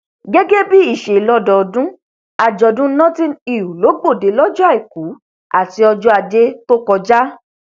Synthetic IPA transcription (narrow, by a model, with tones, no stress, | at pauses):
ɡe˦ɡe˦bi˦i˦˨ʃe˨lɔ˧dɔ˨dũ˦ | a˨d͡ʒɔ˧dũ˦nɔ̃˦tĩ˦ni˦˨wu˨lo˨˦ɡ͡bo˦˨de˨˦lɔ˦d͡ʒɔ˦a˦˨i˨ku˨˦ | a̰˦˨ti˨˧ɔ˧d͡ʒɔ˦a˧d͡ʒe˦to˦kɔ˧d͡ʒa˦